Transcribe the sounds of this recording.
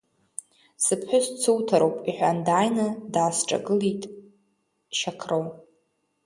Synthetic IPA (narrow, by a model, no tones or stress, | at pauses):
sɨpʰħʷʊst͡sʰɨwtʰaɾowpʼiħʷᶣandaːjnɨdaːsʈ͡ʂʼa̰ɡɨlitʼ | ʃakʰrow